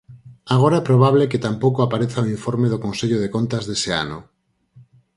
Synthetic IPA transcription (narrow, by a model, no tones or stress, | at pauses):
aɣ̞oɾaɛpɾoβ̞aβleket̪ampokoapaɾeθaĩɱfoɾmeðokonseʎoðekont̪azðesea̰no̰